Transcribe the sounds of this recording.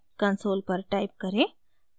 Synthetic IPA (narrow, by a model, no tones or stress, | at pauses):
kənsoːlpəɾʈaɪp̚kəɾe